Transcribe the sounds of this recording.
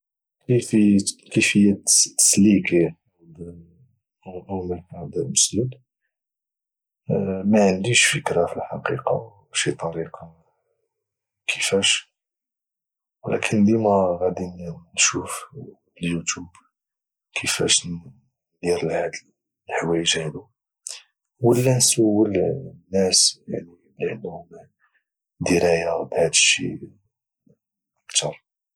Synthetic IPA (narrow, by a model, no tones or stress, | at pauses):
kəfikəfəjːæə̥sliki | d̪ | ʔuməkʕad̪məsd̪ud̪ | mæʕənd̪iʃfəkɾɑfilħɑqiqɑ̰ | ʃit̪ˤɑɾiqɑ | kʰəfæʃ | wlæ̰kʰənd̪imæɣæd̪inːʃuf | bəljut̪jub | kʰəfæ̰ʃ | d̪iɾəlhæd̪l | lħwæjəʒʕilu | wəlːænsəwːəlnːæsja̰ʕniblʕənːhʊm | d̪iɾæjabhæd̪əʃːḭ | ʔəkt̪ʰɑɾˤ